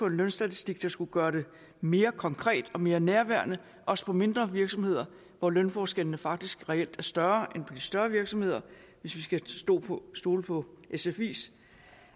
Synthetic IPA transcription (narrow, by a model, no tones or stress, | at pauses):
ɒ̽e̝nlønsd̥æt͡sʰi̥sd̥iɡ̥̚d̥ɑ̈sɡ̥uɡ̥ɶːɐɾ̥e̝ | me̝ːɐkʰɒ̽ŋkʰʁɛ̰ːd̥ɒ̽me̝ːɐnæɐʋæɐnə | ʔɒ̽sə̥pʰɒ̽me̝nd̥ʁɐʋiɐɡ̥sɒ̽mhe̝ð̞̰ˠɐ | ʋɒlønfɒːsɡ̥el̰ənəfɑ̈ɡ̥̚d̥isɡ̥ʁɛel̰d̥æɐsd̥ɶɐːʔenpʰɒ̽d̥isd̥ɶɐʋiɐɡ̥sɒ̽mhe̝ð̞̰ˠɐ | ʋe̝sʋisɡ̥æsd̥ɔ̰ːsd̥o̝ːləpʰɒ̽ʔesefḭːs